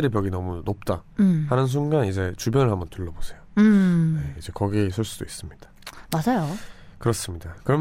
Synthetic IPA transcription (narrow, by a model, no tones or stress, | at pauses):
ɯɾipjʌɡinʌmunop̚t͈ahanɯns̬ʰuŋɡanid͡ʑe̞t͡ɕubjʌnɯɭhambʌntɯɭːʌbosʰe̞jone̞id͡ʑe̞kʌɡiesʰɯɭs͈ud̥ois͈ɯmɲid̥ḁmasajo | kɯɾʌs͈ɯmɲidakɯɾʌm